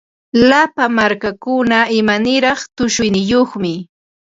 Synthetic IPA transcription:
lapamaɾkakʊnaɪmanɪɾɑχt̪ʊʃʊjnɪjoχmɪ

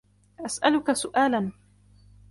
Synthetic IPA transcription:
ʔasʔalʊkasʊʔaːlan

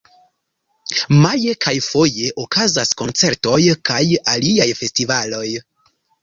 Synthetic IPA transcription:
majekʰajfo̞je̞ʔokazasko̞nt͡se̞ɾto̞jkajaliajfe̞stivalo̞j

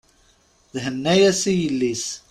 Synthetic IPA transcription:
ðhənːæjæsijəlːis

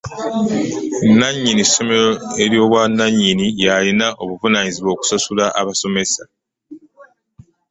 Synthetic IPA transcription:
nːaɲːinisːo̞me̞ɾoe̞ɾjo̞ːβwanːaɲːinijalinaʔo̞βuvunaɲiziβo̞ːku̥sosulaʔa̰βaso̞me̞sḁ

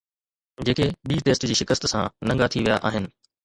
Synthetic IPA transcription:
d͡ʑeːkeɓiːʈeːsʈd͡ʑiːʃɪkəst̪sãːnɐ̃ŋɡat̪ʰiʋija̰ʔa̰ːɦɪnɪ̆

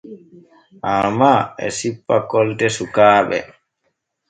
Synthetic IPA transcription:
ʔamaʔɛ̰sipːakɔltɛsukaːɓɛ̰

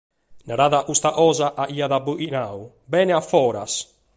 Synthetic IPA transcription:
naɾaðaʔust̪aʔɔzaʔaʔiaðabəʔinaw | bɛːnɛafːɔːɾa̰s

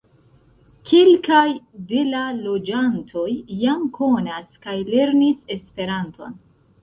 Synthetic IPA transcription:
kʰelkajdelalo̞d͡ʒantʰo̞jːamkʰo̞naskajle̞ɾnise̞spe̞ɾantʰo̞̰n

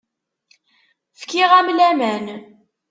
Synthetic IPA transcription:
fkiʁæmlæmæn

